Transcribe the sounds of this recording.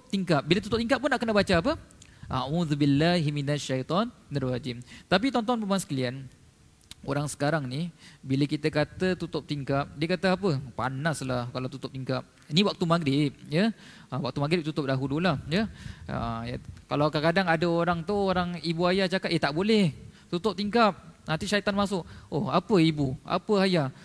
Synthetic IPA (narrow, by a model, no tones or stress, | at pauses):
p̚t̪iŋkap̚bilat̪ut̪ʊp̚t̪iŋkat̪̚pːʊnːaʔkənabat͡ʃaːpəʔauðubilːaɦminaʃajt̪ɔnːarwad͡ʒimt̪ap̬it̪ɔnt̪ɔnpəmaansəkəlian | o̰ɾaŋsə̥kaɾaŋnibiləkit̪əkat̪ət̪ut̪ʊp̚t̪iŋkap̚diəkat̪əapəpa̰naslahkalawt̪ut̪ʊp̚t̪iŋkap̚ | niwak̚t̪umaɡɾɪp̚jə | wa̰k̚t̪umaɡɾɪp̚t̪ut̪ʊp̚daɦululahjəə̰jkalawkakadaŋadəoɾaŋt̪ooɾaŋibuajat͡ʃakat̪et̪aʔbolɛht̪ut̪ʊp̚t̪iŋkap̚nãnt̪iʃait̪anmasʊʔohapəibua̰pəaja